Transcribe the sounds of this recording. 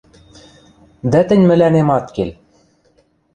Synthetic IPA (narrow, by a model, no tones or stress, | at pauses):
d̪æt̪ɘ̆nʲmɘ̆lænemɑt̪kel